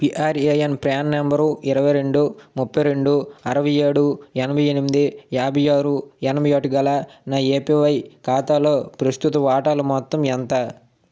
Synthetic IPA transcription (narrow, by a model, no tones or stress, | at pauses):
piʔaːɾeːjenpɾaːnːembɐɾuɪɾɐʋɐjɾe̞ɳɖumupːɐjɾe̞ɳɖuɐɾɐʋɐjeːɽuɛnɐbʱɐjenimid̪ijaːbʱɐjaːɾuɛnɐmɐjaːʈuɡɐlaːnaːeːpiʋɐjkaːt̪aːlo̞ːpɾɐst̪ut̪ɐʋaːʈaːlumɔt̪ːɐmɛnt̪a